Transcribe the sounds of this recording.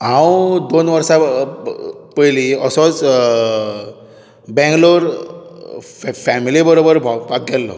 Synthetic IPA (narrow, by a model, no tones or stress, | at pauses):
ɦãwd̪onʋəɾsa | pəjliəsɔt͡s | bɛ̃ŋɡloɾ | fɛmilibəɾobəɾbʱabʱak̚ɡɛlːɔ̰